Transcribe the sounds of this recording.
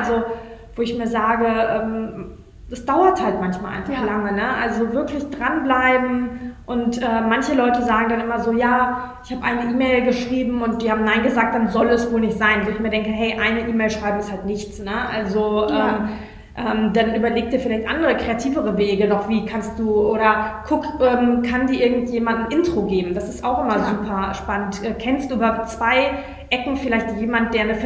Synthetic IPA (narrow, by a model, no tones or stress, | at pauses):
ʔalzovoːɪçmiːɐzaːɡəʔɛːm | d̥asd̥aʊɐthaltmançmaːlʔa̰ɪnfaχlaŋənəʔalzovɪɐkʰlɪçd̥ʁanblaɪbm̩ʔʊntʔɛːmːançəlɔʏtəzaːɡŋ̩danʔɪmɐzoːjaː | ʔɪçhaːbəʔaɪnəʔiːmɛɪlɡəʃʁ̥iːbm̩ʊnt̚d̥iːhaːbm̩naɪnɡəzaːk̚t̚d̥anzɔlɛsv̥oːlnɪçtz̥aɪnvoːɪçmiːɐdɛŋkəɦɛɪʔaɪnəʔiːmɛɪlʃʁ̥aɪbm̩ɪsthaltnɪçt͡snəʔalzoɛːm | ʔɛːmdanʔyːbɐleːk̚d̥iːɐfɪlaɪçtʔandəʁəkʁ̥eatʰiːvəʁəveːɡənɔχv̥iːkʰanst̚d̥uːʔoːɾɐkʰʊkʔɛːmkʰandiːɐʔɪɐɡŋ̩tjeːmandn̩ʔɪntʁ̥oɡeːbm̩d̥asɪ̥staʊxʔɪmɐzuːpʰɐʃpanəntʔɛːkʰɛnstd̥uːbɐhaʊp̚t͡sv̥aɪ | ʔɛkŋ̩fɪlaɪçtjeːmant̚d̥eːɐnəf